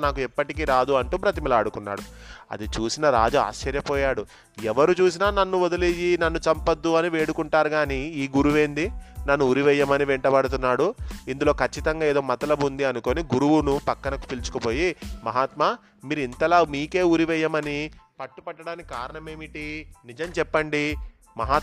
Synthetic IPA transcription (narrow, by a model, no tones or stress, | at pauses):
naːk̬uipːɐʈikiːɾaːd̪uɐɳʈuːpɾɐt̪imilɐːɽukunːa̰ːɽuɐ̰d̪it͡ʃuːsinɐɾa̰ːd͡ʒaa̰ːʃːɐɾjɐpɔːjaːɽu | ɛʋɐɾut͡ʃuːs̬inaːnɐnːuɔd̪ɐlijinɐnːut͡ʃɐmpɐd̪ːuɐniʋe̞ːɽukuɳʈaːɾuɡaːniiːɡuɾuʋe̞ːnd̪inɐnːuːɾiʋɛjːɐmɐniʋɛɳʈɐbɐɽɐt̪̬unːaːɽuind̪ulo̞ːkɐt͡ʃːit̪ɐŋɡaːeːd̪o̞ːmɐt̪ɐlɐbund̪iɐnuko̞ːniɡuɾuʋunupɐkːɐnɐku̥pilt͡ʃu̥kupo̞ːjimɐɦaːt̪maː | miːɾuint̪ɐlaːmiːke̞ːuɾiʋɛjːɐmɐnipɐʈːupɐʈːɐɽaːnikikaːɾɐɳɐme̞ːmiʈinid͡ʒɐmt͡ʃɛpːɐɳɖi | mɐɦaː